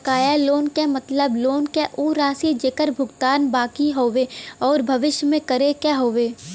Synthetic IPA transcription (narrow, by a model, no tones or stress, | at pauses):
kaːjaloːnkemət̪ləbloːnkeʔuːɾaːsid͡ʒekəɾbʱʊɡt̪aːnbaːkiɦoːʋeɔːɾbʱɐʋɪʃjmẽkəɾekɛɦoːʋeː